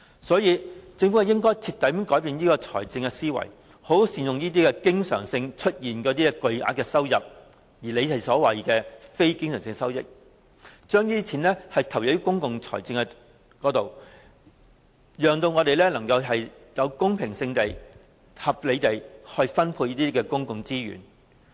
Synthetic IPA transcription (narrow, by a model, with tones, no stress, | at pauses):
sɔː˨˥jiː˨˧t͡sɪ˧ŋfu˨˥ɐ˨jɪ˥ŋkɔː˥jt͡sʰi˧t̪ɐ˨˥jkɔː˨˥jpiː˧njiː˥kɔː˧t͡sʰɔ̰ː˨˩jt͡sɪ˧ŋɛ˧siː˥wɐ̰˨˩j | ho˨˥wsiː˨˩jʊ˨ŋjiː˥t̪̬iː˥kɛ˧kɪ˥ŋsœ̰ː˨˩ŋsɪ˧ŋt͡ʃʰɵ˥t̚jiː˨nkɔː˨˥t̪i˥ɛ˧kɵ˨˧ɥʔa̰ː˧˥t̚kːɛ˧sɐ˥wjɐ˨p̚ | jiː˨˩le˨˧jɐ˨˩jsɔː˨˥wɐ˨˩jkɛː˧fe˥jkɪ˥ŋsœː˨˩ŋsɪ˧ŋɛsɐ˥wjɪ̰˨k̚ | t͡ʃœː˥ŋjiː˥t͡sʰiː˨˩nlɛː˥hɐ˨jt̪ʰɐ˨˩wjɐ˨˥jkʊ˥ŋkʊ˨ŋt͡sʰɔ̰ː˨˩jt͡sɪ˧ŋkɛ˧ | kɔː˨˥t̪o˨w | jœː˨ŋt̪o˧wŋɔː˨˧t̪e˨jlɛː˥lɐ˨˩ŋkɐ˧wɦɐ˨jjɐ˨˧wkʊ˥ŋpʰɪ˨˩ŋsɪ˧ŋt̪e˨j | hɐ˨p̚le˨˧t̪e˨jhɵ˧jfɐ˥npʰu˧jiː˥t̪iː˥kɛː˧kʊ˥ŋkʊ˨ŋt͡siː˥jy̰ː˨˩n